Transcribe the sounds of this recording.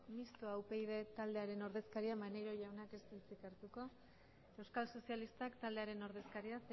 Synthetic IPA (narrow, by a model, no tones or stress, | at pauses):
mist̪oawpe̞jð̞e̞t̪ald̪e̞aɾe̞no̞ɾð̞e̞skaɾiamaneɾo̞ʝawnake̞st̪ilt͡sikaɾt̪uko̞ | ewskalso̞sialist̪akt̪ald̪eaɾe̞no̞ɾð̞e̞skaɾiase